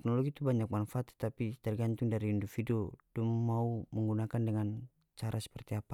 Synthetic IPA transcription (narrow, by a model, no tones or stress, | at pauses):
t̪ɛknɔlɔɡit̪ubaɲak̚manfaat̪ːɛ̥t̪apit̪ərɡant̪uŋdaɾiːndɔfidodummauməŋɡunakandɛŋan | t͡ʃaɾʔasɛ̥pərt̪iapa